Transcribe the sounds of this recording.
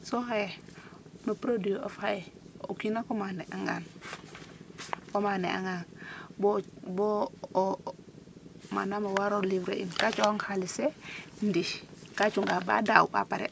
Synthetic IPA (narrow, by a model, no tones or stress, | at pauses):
soɦaje | nopɾodioʔofhajeokinakomaneʔaŋɡa̰n | komanea̰ŋɡanbobo | ma̰namawaɾolivɾeʔḭnkat͡ʃooŋhalisendiʃkat͡ʃuŋɡaba̰daṵpa̰paɾḛ